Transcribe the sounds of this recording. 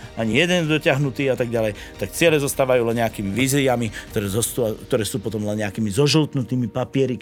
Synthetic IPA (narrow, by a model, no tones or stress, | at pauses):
aɲijɛd̪ɛnd̪ɔcɪaɦnut̪iːat̪aɡɟalɛj | t̪akt͡sɪɛlɛzɔst̪aːʋajuːlɛnɲɛakiːmiʋiːziamikt̪ɔɾɛːzɔst̪uakt̪ɔɾɛːsuːpɔt̪ɔmlɛnɲɛakiːmizɔʒilt̪nut̪iːmipapɪɛɾi